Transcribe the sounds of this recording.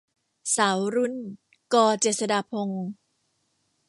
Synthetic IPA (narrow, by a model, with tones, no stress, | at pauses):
saː˩˦wɾu˧˥n | kɔː˧t͡ɕeː˨˩t̪̚sa˧daː˧pʰo˧ŋ